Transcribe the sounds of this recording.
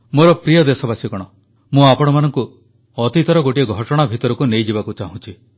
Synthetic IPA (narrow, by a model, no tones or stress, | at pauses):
moɾɔpɾijɔd̪esɔbasikɔɽ̃ɔ | mũapɔɽ̃ɔmanɔŋku | ɔt̪it̪ɔɾɔɡoʈiɔɡʱɔʈɔɽ̃abʱit̪ɔɾɔkunejd͡ʒibakut͡ʃaɦũt͡ʃʰi